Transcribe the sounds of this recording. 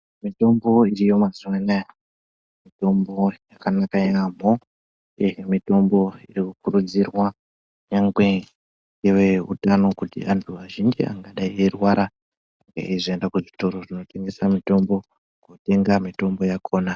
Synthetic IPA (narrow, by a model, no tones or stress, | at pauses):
mito̞mbo̞irijo̞maziwanaja | mito̞mbo̞jakanakajam̤o | emito̞mbo̞irikukuɾud͡zirwa | ɲaŋɡwe̞ | ɡeʋe̞ṵtano̞kutḭʔantʰuʋaʒind͡ʒḭa̰ŋɡaɗaiʋerwaɾa | aŋɡḛiʐiendakuʐito̞ɾo̞ʐino̞te̞ŋɡe̞samito̞mbo̞ | ŋɡote̞ŋɡamito̞mbo̞jakʰo̞ːna